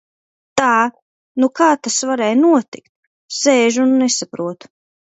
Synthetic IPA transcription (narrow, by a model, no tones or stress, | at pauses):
t̪aː | nukaːt̪asvaɾɛːjnuɔt̪ḭkt̪̚ | sɛːʒnːɛsapɾuɔt̪u̥